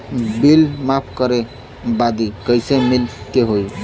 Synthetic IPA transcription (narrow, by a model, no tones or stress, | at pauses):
bilmapʰkəɾe | bad̪ikəjsemilkeɦoj